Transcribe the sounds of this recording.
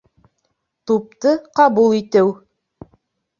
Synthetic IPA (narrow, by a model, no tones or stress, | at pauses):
t̪up̚t̪ɤqɑbulˠit̪ɘw